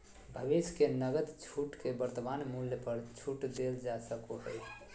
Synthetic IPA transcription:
bʱəbiskenəɡət̪t͡ʃʰuʈkebəɾt̪banmuljəpəɾt͡ʃʰuʈd̪eld͡ʒasəkoɦəj

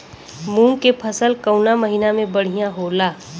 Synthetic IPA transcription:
mũːŋkepʰəsəlkəʊnaməɦinamẽbɐɽ̤ijãɦoːlaː

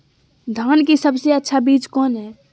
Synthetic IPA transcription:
d̪ʱaːnkisəbseətːʃʰabiːt͡ʃkɔnɦɛː

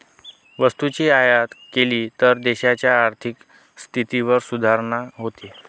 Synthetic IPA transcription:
ʋəst̪ut͡ɕiːajat̪keliːt̪əɾd̪eɕat͡ɕjaːɾt̪ʰik | st̪ʰit̪iʋəɾsud̪ʱaɾɳaɦot̪e

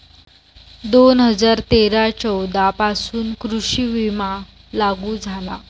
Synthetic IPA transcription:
d̪onɦəd͡zaɾt̪eɾat͡ɕəwd̪ʱapasuːnkɾuɕiʋima | laɡuːd͡zʱala̰

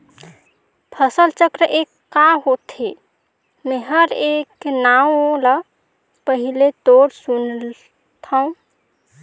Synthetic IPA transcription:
pʰəsəlt͡ʃəkɾəʔekː | aɦot̪ʰe | meɦəɾeknaũlə | pəɦilet̪oɾsun | t̪ʰaũ

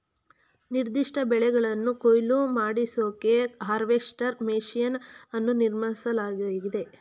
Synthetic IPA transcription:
niɾd̪iʂʈɐbɛɭɛɡɐɭɐnːukojlumaːɽisoːkeɦaːɾʋeʂʈɐɾmeːʃijɐnɐnːuniɾmɐɳisɐlaːɡɡid̪e̞

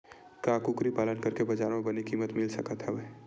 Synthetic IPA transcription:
kaːkukɾipaːlənkɐɾkebɐd͡ʒaːɾmẽbɐnikiːmət̪mɪlsɐkət̪ɦɛʋe

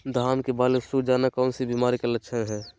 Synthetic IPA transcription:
d̪ʱaːmkebaːlesud͡ʒaːnakaːnsibimaːɾikelət͡ʃʰənɦɛ̃ː

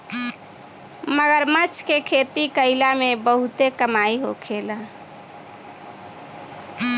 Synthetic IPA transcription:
məɡəɾmət͡ʃʰkekʰet̪ikəɪlamebəɦut̪ekəmaiɦo̰kʰela

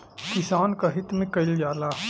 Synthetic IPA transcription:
kɪsaːnkaɦɪt̪mẽkɐɪld͡ʒaːlaː

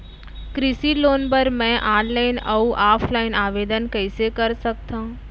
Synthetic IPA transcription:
kɾɪsiloːnpəɾmɛ̃ʔaːɖlaɪnəuʔaːpʰlaːɪnaːʋeːd̪ənkəɪsekəɾsək̚t̪ʰã

